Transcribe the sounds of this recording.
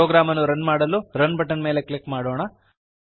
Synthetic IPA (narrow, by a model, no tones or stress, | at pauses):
oːɡɾaːmɐnːuɾɐnmaːɽɐlːuɾɐnbʱɐʈːɐnme̞ːlekɭikːmaːɽoːɳɐ